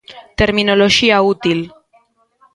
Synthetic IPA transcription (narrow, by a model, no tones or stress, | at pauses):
t̪eɾmĩnoloʃiaut̪il